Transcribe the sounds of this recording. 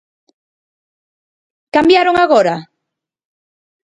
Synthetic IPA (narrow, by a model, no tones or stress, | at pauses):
kambjaɾoŋaɣoɾa